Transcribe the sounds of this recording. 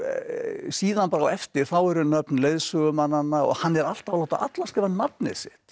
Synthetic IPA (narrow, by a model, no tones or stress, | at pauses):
siːðanpaːɾawɛft̪ɪɾ̥θawɛɾʏnœpnlejðsœɣʏmanːanːaɔ̰ɣhanːɛɾal̥t̪alowt̪aʔa̰t̪lascɛvannːapnɪ̰sɪht̪